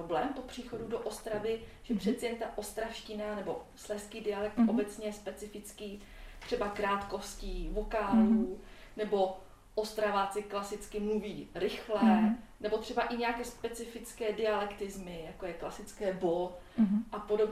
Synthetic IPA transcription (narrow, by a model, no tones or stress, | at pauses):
oblɛːmpo̞pr̝̥iːxo̞dudoʔost̪ɾavɪʒ̥ɛpr̝ɛt̪t͡sɛjɛnt̪aʔo̞st̪ɾafʃcɪnanɛbo̞slɛskiːdɪalɛk̚t̪ʔo̞bɛt͡sɲɛjɛspɛt͡sɪfɪt͡skiː | t̪r̝̥ɛbakɾaːt̪ko̞sciːvokaːluː | nɛbo̞ | ʔost̪ɾavat͡sɪklasɪt͡skɪmluviːɾɪxlɛːnɛbo̞t̪r̝̥ɛbaʔɪɲɛjakɛːspɛt͡sɪfɪt͡skɛːdɪalɛkt̪ɪzmɪjakojɛklasɪt͡skɛːbo̞ | ʔapodob